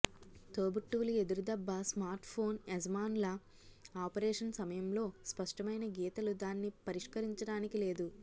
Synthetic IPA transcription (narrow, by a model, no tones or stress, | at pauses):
t̪oːbuʈːuʋulue̞d̪uɾud̪ɐbːɐsmaːɾʈpʰo̞ːnezɐmaːnlɐ | aːpɐɾeːʂɐnsɐmɐjɐmlo̞ːspɐʂʈɐmɐjnɐɡɛːt̪ɐlud̪aːnːipɐɾiʂkɐɾiɲt͡ʃɐɽaːnikile̞ːd̪u